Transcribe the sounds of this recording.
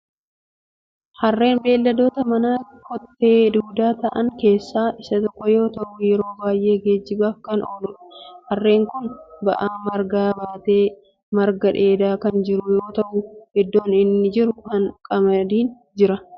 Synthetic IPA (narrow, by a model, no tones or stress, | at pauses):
hɐrːe̞ːnbe̞ːlːɐd̪o̞ːt̪ɐmɐnaː | kɔt̪ːe̞ːd̪uːd̪aːt̪ɐʔɐŋke̞ːsːaːʔɪsɐt̪ɔkːɔjo̞ːt̪ɐʔʊjɛɾo̞ːbaːjʔe̞ːɡe̞ːd͡ʒːɪbaːfkɐnoːlʊᶑhɐrːe̞ːŋkʊnbɐ̰ʔaːmɐɾɡaːbaːt̪e̞ː | mɐɾɡɐᶑe̞ːd̪aːkɐnd͡ʒɪɾʊjo̞ːt̪ɐʔʊhɛd̪ːo̞ːnɪnːɪd͡ʒɪɾʊhɐnkʼɐmɐd̪iːn | d͡ʒɪɾɐ